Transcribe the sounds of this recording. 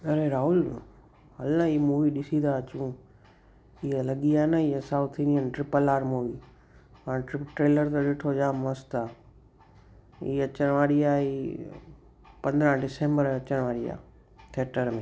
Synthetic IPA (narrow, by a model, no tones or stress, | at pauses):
ɐɾeɾaːɦʊl | ɦɐlãiːmuːʋiɗɪsĩd̪aət͡ɕũ | iɦəlɐɠiaːnəiə̃saːut̪ʰːĩniənɪʈɾɪpəlaːɾmuʋiː | paːɽ̃ʈɾɪpʈɾeːləɾt̪ɐɗɪʈʰod͡ʒaːmɐst̪aː | ḭːɐt͡ɕəɽ̃ʋaːɽiaːiː | pɐ̃nd̪ɾə̃ɦɖɪsẽːmbəɾɐt͡ɕəɽ̃ʋaːɽia̰ː | t̪ʰeːʈəɾmẽː